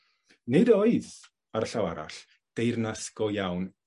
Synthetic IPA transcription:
nɨdɔɨð | aɾəɬawa̰ɾa̰ɬ | d̥ejrnaskɔjawn

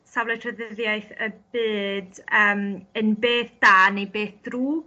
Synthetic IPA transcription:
savlɛtʰrəðɪðjajθəb̥ɨːdəːmənbeːθd̥aːnejbeːθd̥ruː

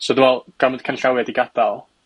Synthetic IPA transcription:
sɔdəwɛlˠɡ̥aməd̥kʰanɬawɛdiɡad̥alˠ

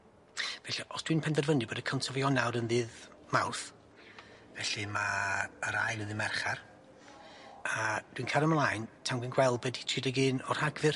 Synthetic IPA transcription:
vɛɬaʔɔsd̥winpʰɛnðɛrvənɨbɔːdəkʰəntʰɔvjɔnawɾənðɨːðmawθ | vɛɬimaəɾajnəðɨmɛrχar | ad̥winkʰaɾəmlˠajntʰamɡɨnɡwɛlˠbɛditʰriːdəɡɨːnɔr̥haɡvɨr

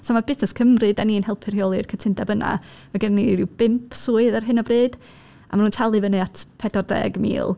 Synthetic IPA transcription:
sɔmabɪznɛskʰəmrɨdaniːnhɛlˠpʰɨrhjɔlˠɨrkʰətʰɪndɛbəna̰ | maɡɛnnirɪwb̥ɪmpʰsuːɨðarɦɨnɔvrɨːd̥ | a̰manuːntʰalˠɨvənɨatʰpʰɛdɔrdɛ̰ɡmḭːlˠ

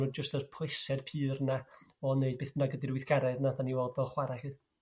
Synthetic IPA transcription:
ʊːdd͡ʒəstərpʰlˠɪsɛd̥pʰɨːrnaɔneɨd̚b̥eːθb̥ənaɡədiɾwɪθɡ̥aɾɛdnadaniwɛlˠd̚bɛlˠχwaɾaɬɨ

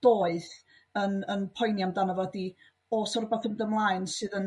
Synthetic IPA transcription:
d̥oːɨð | ənənpʰɔjnjamdanəvɔdi | ɔsɔɾəbaθəndəmlˠaːɨnsɨðən

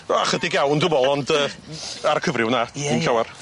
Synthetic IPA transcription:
a̰χədɪɡjawndʊmɔlˠɔndəːaɾkʰəvrɪwnainɬawar

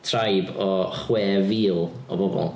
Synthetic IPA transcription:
tʰrajbɔχwɛːviːlˠ | ɔ̰bɔbɔ̰lˠ

